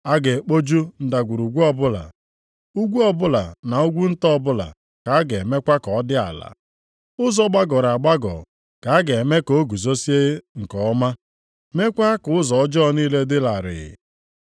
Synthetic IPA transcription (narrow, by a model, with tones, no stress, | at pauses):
a˦ɡe˨k͡po˦d͡ʒu˦n̩˨da˨ɡʷu˨ɾu˨ɡʷu˦ɔ˦bʊ˦la̰˨ | u˦ɡʷu˦ɔ˨bʊ˦la˨na˨u˦ɡʷu˦n̩˦tɔ˦bʊ˦la̰˨ | ka˨a˦ɡe˨me˦kʷa˦kɔ˨˦dɪ˦a̰˨la̰˨ | ʊ˦zɔ˦ɡ͡ba˦ɡɔ˨ɾa˨ɡ͡ba˦ɡɔ̰˨ | ka˨a˦ɡe˨me˦ko˨˦ɡu˨zo˦si˦e˦ŋ̩˨kɔ˨ɔ˦ma˦ | me˦kʷa˦kʊ˨ʊ˦zɔ˨ɔ˦d͡ʒɔ˦˨niː˦le˦dɪ˦la˨ɾɪ̰˨ɪ̰˨